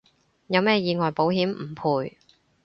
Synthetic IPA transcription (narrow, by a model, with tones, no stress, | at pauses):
jɐ˨˧wmɛː˥jiː˨˧ŋɔː˨jpo˨˥wɦiː˨˥mm̩˨˩pʰuː˨˧j